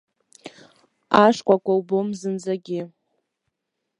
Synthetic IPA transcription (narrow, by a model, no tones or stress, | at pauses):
aʂkʷʼakʷʼawbomzɨnd͡zaɡʲɪ